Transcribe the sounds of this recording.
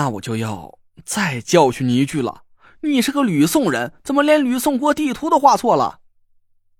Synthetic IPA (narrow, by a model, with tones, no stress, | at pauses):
a˥˩wɔ̰˨˩t͡ɕjo˥˧ʊjɑ˥˧ʊ | t͡sa˥˧ɪt͡ɕjɑ˥˧ʊt͡ɕʰy˥˩ni˧˥t͡ɕy˥˩lə̰˩˥˩ | ni˨˩ʂɻ̩˥˩ɡə˧ly˨˩sʊ˥˩ŋɻə˧˥nt͡sə˨˩nmə˦ljɛ˧˥nly˨˩sʊ˥˩ŋk̬wɔ˥t̪i˥˩t̪ʰu˧˥d̪ə˧xwa˥˧t͡sʰwɔ˥˩lə̰˩